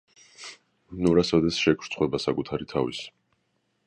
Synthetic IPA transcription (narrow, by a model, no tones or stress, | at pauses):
nuɾasad̪ɛt̪sʃɛkʰɾ̥t̪sʰʼχwɛbasakʼut̪ʰaɾit̪ʰavḭs